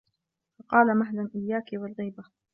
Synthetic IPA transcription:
fɑqɑːlamaɦlanʔɪjːaːkɪwalɣiːba

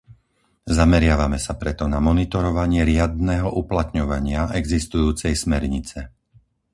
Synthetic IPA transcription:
zamɛɾɪaʋamɛsapɾɛt̪ɔnamɔnit̪ɔɾɔʋaɲɪɛɾɪad̪nɛːɦɔʔuplat̪ɲɔʋaɲɪaʔɛɡzist̪ujuːt͡sɛjsmɛɾɲit͡sɛ

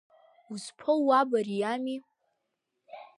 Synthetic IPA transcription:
uzpʰowabarijami

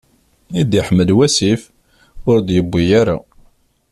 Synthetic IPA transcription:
id̪iħmːəlwæsif | ʊɾd̪jəbːijaɾa̰

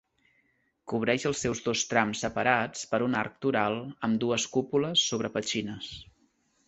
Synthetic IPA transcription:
kuβ̞ɾɛʃəlˠsːɛwzðost̪ɾamsəpəɾat͡spəɾunaɾk̚t̪uɾalˠəmd̪uəskupuləsːoβ̞ɾəpət͡ʃinəs

